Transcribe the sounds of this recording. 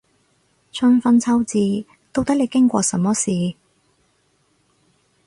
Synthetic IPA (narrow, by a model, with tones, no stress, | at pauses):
t͡sʰɵ˧nfɐ˧˥nt͡sʰɐ˥wt͡siː˧ | t̪o˥wt̪ɐ˥k̚le˨˧jkɪ˥ŋkʷɔ̰ː˧sɐ˨˧˥mɔː˥siː˨˩